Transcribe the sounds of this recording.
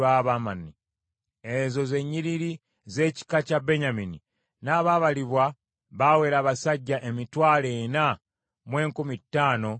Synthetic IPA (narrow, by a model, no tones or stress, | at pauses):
aβamanːi | ezo̞ze̞ɲːiɾiɾi | ze̞ːci̥kacabeɲamini | naːβaβaliβwa | βawe̞ːɾaβasaɟːaʔe̞mitwaːle̞na | mwe̞ːŋkumitːaːno̞